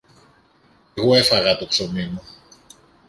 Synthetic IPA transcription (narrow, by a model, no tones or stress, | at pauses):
ɣuefɐɣɐt̪oksominu